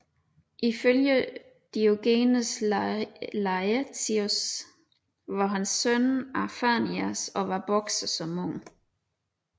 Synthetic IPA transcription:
ʔiføljə | d̥ioɡ̥e̝ːnəs | lɑɪt͡sʰios | ʋɑ̈ɦænsːœnɑfæniæsɒ̽ʋɑ̈b̥ɒɡ̥səsɒ̽mɔŋ̰

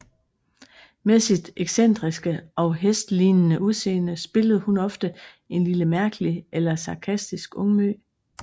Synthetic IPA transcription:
mesid̥eɡ̥sen̰d̥ʁisɡ̥əɒ̽ʊɦesd̥liːnnəuðˠse̝̰ːnəsb̥e̝ləð̞̩ˠhunɒ̽fd̥ə | e̝nliləmæɐɡ̥əliʔelɐsɑ̈kʰæsd̥isɡ̥ɔ̽ŋmø̰ː

